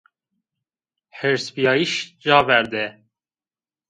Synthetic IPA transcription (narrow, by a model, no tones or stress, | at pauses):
heɾspijɑːiʃd͡ʒɑːvɛɾd̪ɛ